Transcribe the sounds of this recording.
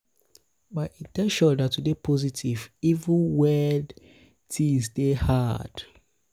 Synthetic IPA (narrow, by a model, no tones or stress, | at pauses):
baidekʃɔdatudepʰɔzitʰivivũnwɛd | tʰisdehad̥